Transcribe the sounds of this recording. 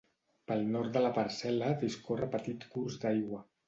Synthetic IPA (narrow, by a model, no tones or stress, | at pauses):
pəlˠnɔɾt̪̚d̪əlapəɾsɛləðiskorəpət̪it̪kuzd̪ajɣwə